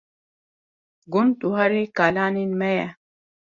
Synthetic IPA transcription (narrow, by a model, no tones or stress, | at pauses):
ɡumt̪uɦaɾikaːlaːninmɐja